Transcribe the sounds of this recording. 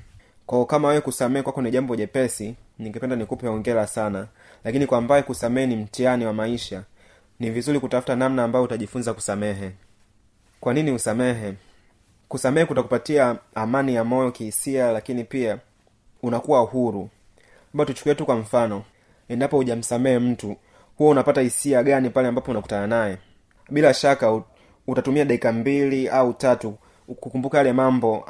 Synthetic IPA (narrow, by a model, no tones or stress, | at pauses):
kwaɔkamawɛwɛkusamɛhɛkwakɔniʄambɔʄɛpɛsiniŋɡɛpɛndanikupɛɔŋɡɛlasana | lakinikwambaɛkusamɛhɛnim̩tianiwamaiʃa | nivizuɾikutafu̥tanamnaːmbajɔutaʄifunzakusamɛɦɛ | kwaniniusamɛɦɛ | kusamɛhɛkutakupatiaːmanijamɔjɔkihisialakinipia | unakuwauhuɾu | ambatut͡ʃu̥kuɛtukwam̩fanɔ | ɛndapɔhuʄam̩samɛɛm̩tu | huwɔunapatahisiaɠanipalɛambapɔunaku̥tananajɛ | ɓilaʃaka | utatumiaɗaikambiliautatu | kukumbukajalɛmambɔ